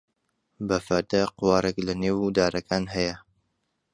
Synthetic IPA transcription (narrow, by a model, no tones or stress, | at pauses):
bɐfɐɾd̪ɐqʊwɑːrɛklɐneːwd̪aːɾɐkʰaːnɦɐjɐ